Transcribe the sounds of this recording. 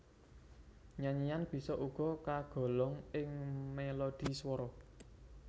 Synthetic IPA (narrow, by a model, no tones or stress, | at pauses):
ɲaɲijanb̥i̤sɔʔuɡ̥ɔ̤kaɡ̥ɔ̤lɔŋɪŋmelod̪̥i̤swɔɾɔ